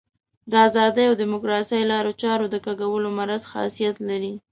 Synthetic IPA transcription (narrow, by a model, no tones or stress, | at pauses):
d̪əazɑd̪əjawd̪ɪmʊkɾɑsəjlɑɾot͡ʃɑɾod̪əkaɡawəlomaɾazxɑ̰sijat̪laɾi